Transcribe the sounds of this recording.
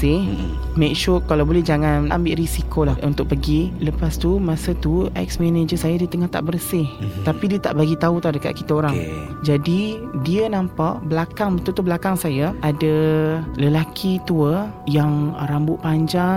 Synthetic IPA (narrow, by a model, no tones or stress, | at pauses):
sɪh | mɛk̚ʃʊrkalawbolɛd͡ʒaŋana̰mbɪʔrisikolahṵnt̪ʊk̚pəɡiləpast̪umasət̪uɛ̰k̚smɛned͡ʒəsajadit̪əŋaht̪a̰ʔbərsɪht̪apidiət̪a̰ʔbaɡit̪aut̪adəka̰t̪̚kit̪aoɾaŋ | d͡ʒadidiənampaʔbəlakaŋbət̪ult̪ubəlakaŋsajaadaləlakʰit̪uə | jaŋɾambʊʔpaɲd͡ʒaŋ